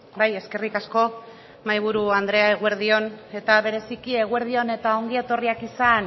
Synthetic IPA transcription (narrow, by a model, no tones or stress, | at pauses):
baje̞ske̞rikasko̞ | majβ̞uɾuand̪ɾe̞aeɣue̞ɾðio̞ne̞t̪aβe̞ɾe̞sikie̞ɣ̞ue̞ɾð̞io̞ne̞t̪ao̞ŋɡie̞t̪o̞riakisan